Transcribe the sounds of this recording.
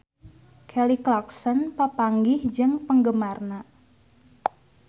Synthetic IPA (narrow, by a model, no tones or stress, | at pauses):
kʰɛliklɔksɔnpəpaŋɡɪhd͡ʒɨŋpəŋɡəmarna